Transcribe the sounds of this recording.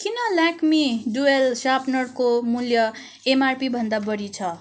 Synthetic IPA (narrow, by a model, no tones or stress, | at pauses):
kinʌlakmiɖuelsapnʌrkomuljʌ | emarpibʱʌnd̪abʌɽit͡sʰʌ